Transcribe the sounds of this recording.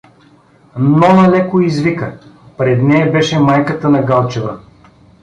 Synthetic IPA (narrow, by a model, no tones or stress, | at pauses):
nɔnɐlɛkoizvikəpɾɛd̪nɛjɐbɛʃɛmajkət̪ənɐɡalˠt͡ʃɛvə